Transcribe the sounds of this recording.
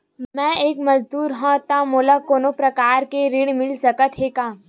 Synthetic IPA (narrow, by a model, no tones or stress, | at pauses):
mɛ̃ːeːkmɐzd̪uːɾɦãt̪amoːlakoːnõpɾɐkaːɾkeɾiɽmɪlsɐkət̪ɦeːkaː